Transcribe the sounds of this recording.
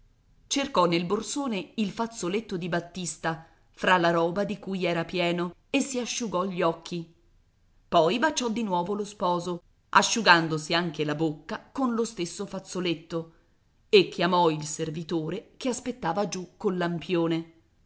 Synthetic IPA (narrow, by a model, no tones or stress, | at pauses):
t͡ʃerkɔnːelborsoːneilfat̪solet̪ːod̪ibat̪ːist̪a | fɾalaɾɔːbad̪ikujɛːɾapjɛːnoesːiaʃːuɡɔʎːɔkʰːi | pɔjbat͡ʃɔd̪ːinwɔːvolospɔːzo | ʔaʃːuɡand̪osiaŋk̟elabokːakonlost̪esːofat̪sːolet̪ːo | ekːjamɔilservit̪oːɾekeaspet̪ːaːvad͡ʒukːolːampjoːne